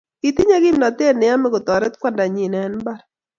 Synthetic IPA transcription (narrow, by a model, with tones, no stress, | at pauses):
i˨t̪ɪ˦ɲa˦ɡi˦mna˨t̪e˦˨nɪ˨a˦mɪ˦ɡʊ˨t̪ɔ˨ɾɛ˦t̪kwa˦nda˨ɲi˨nɛ˨˦nba˦ɾ